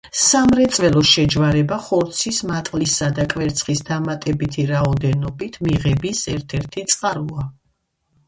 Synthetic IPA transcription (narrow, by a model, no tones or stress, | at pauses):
samɾɛt̪sʼvɛlˠɔʃɛd͡ʒvaɾɛbaχɔɾt̪sʰismat̪ʼlisad̪akʼvɛɾt̪sʰχisd̪amat̪ʼɛbit̪ʰiɾaɔd̪ɛnɔbit̪ʰmiʁɛbisɛɾt̪ʰɛɾt̪ʰit̪sʼqʼaɾua